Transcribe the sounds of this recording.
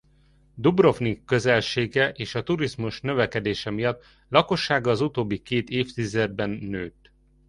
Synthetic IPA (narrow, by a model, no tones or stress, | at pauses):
d̪ubro̞fnikːø̞zɛlʃeːɡɛʔeːʃɒt̪uɾizmuʃnø̞vɛkɛd̪eːʃɛmijɒt̪ː | lɒko̞ʃːaːɡɒːzut̪oːbːikeːt̪eːft̪izɛd̪̚bɛnːøːt̪